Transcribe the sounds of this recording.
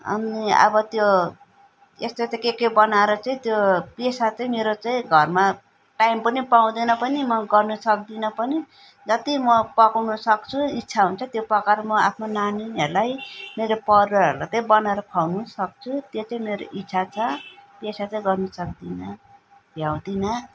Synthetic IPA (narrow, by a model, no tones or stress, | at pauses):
ʌ̰niʌ̰bʌt̪jo | est̪et̪ʌkekebʌnaeɾʌt͡saĩt̪jopesat͡sãĩmeɾot͡saĩɡʱʌrma | ʈaimpʌnipaw̃d̪ʌnʌpʌnimʌɡʌrnusʌk̚d̪inʌpʌni | d͡zʌt̪imʌpʌkawnusʌkt͡sʰuitːt͡sʰaɦunt͡sʰʌt̪jopʌkaɾmʌapʰnonaninɦʌɾulajmeɾopʌɾʌʌ̰ɾulat͡saĩbʌnaeɾʌpʰawnusʌk̚t͡sʰut̪jot͡saĩmeɾo̰ʔitːt͡sʰat͡sʰʌpesat͡saĩɡʌrnusʌkd̪inʌ | bʱjaw̃d̪inʌ